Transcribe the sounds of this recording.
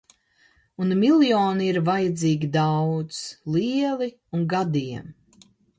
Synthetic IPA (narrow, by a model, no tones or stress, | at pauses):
unmilʲˠjoːniiɾvajɛd̪ziːɡʲid̪awt̪slˠiɛlˠi | unɡad̪iɛm